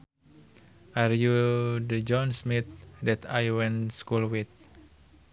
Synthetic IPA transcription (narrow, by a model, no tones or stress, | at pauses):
ʔarjudəd͡ʒɔnsmit̪̚dɛt̪ajwɛnskulwit̪̚